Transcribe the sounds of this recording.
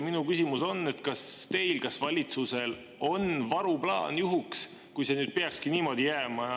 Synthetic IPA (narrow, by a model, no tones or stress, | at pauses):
minukysimuso̞nːe̞t̪kɑst̪e̞jlkɑsvɑlʲit̪suse̞l | o̞nvɑɾuplɑ̰ːnjuɦuks | kujse̞nyːd̪̥̚pe̞ɑkskiniːmo̞d̪̥ijæːmɑ